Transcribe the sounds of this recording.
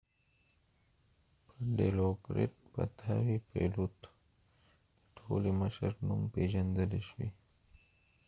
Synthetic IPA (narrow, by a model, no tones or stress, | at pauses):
pʰəɖelokɾḛʈ̚pa̰t̪ʰawipʰḛlut̪ | d̪̥əʈʰoliməʃəɾnumpeʒand̪əleʃwḭ